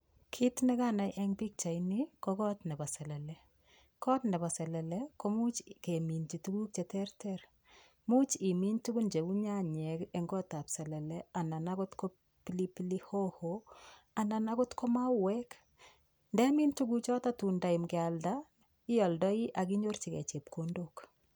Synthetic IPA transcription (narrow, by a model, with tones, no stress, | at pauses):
kʰi˦tnɛ˦ka˦na˨jʔɛ˦ŋbi˦k̚t͡ʃa˨jni˦kɔ˦kɔ˦tnɛ˨ba˨sɛ˨lɛ˨lɛ˨ | kɔ˦tnɛ˨ba˨sɛ˨lɛ˨lɛko˦mu˦t͡ʃke˨mi˨nt͡ʃi˨tu˦ɡu˦k̚t͡ʃɛ˨tɛ˦ɾtɛɾ | mu˦t͡ʃi˨mi˦ntu˦ɡu˦nd͡ʒe˨wu˦ɲa˦ɲɛ˨kɛŋɡɔ˦ta˨psɛ˨lɛ˨lɛa˨na˨naɡʊ˦tkɔ˦ | pilipiliho˦ho | a˨na˨naɡʊ˦tkɔ˦ma˦wɛk | ndɛ˦mi˦ntu˦ɡu˦k̚t͡ʃɔ˦ta˦tu˨nda˨imɡɪalda | i˦jɔ˨ldɔ˦i˦ʔa˨ki˦ɲoɾt͡ʃikɛ̰˨t͡ʃe˨p̚kondok